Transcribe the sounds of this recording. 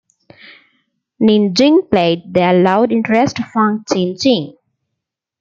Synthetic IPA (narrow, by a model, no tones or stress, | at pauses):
nĩnd͡ʒɪ̃ŋpleɪɖ̚d̪elaʊɖɪ̃ɳʈɾesʈfãŋɡ̚t͡ʃẽːnd͡ʒĩŋ